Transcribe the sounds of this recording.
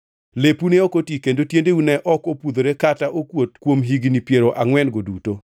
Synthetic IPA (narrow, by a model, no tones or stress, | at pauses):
lepuneokotikendotjendeunɛʔɔkopud̪oɾekataʔokwot̚kwomɦiɡnipjeɾoʔaŋwɛnɡoduto